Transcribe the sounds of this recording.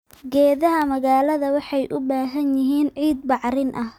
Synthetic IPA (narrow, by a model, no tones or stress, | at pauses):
ɡɛːðɐɦɐmɐɣaːlɐðɐwɑħɑjʔʊbaːɦɐnjɪɦiːnʕiːd̪̚bɑʕrɪnʔɐh